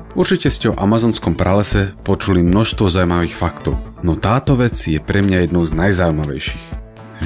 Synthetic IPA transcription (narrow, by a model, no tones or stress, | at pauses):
uɾt͡ʃicɛscɛɔʔa̰mazɔːnskɔmpɾalɛsɛpɔt͡ʃulimnɔʃst̪ʋɔzawumaʋiːxfakt̪ɔʊnɔt̪aːt̪ɔʋɛt͡sjɛpɾɛmɲajɛd̪nɔʊznajzaujmaʋɛ̰jʃi̥x